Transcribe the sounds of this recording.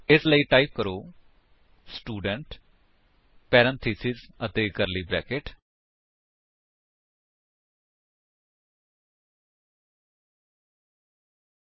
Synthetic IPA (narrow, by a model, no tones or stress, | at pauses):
ɪsləiːʈaːiːp̚kəɾoː | sʈuːɖəɳʈ | pɛːɾə̃nt̪ʰiːsizət̪eːkəɾliːbɾɛ̰ːkɪʈ